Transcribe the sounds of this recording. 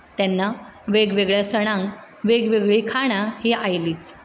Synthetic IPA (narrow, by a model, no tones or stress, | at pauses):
t̪janːaʋeɡʋeɡɭjasəɽ̃ãŋk | ʋeɡʋeɡɭikʰaɽ̃aheajliːt͡s